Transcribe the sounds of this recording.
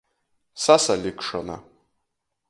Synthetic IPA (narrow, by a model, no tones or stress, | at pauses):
sasalikʂana̰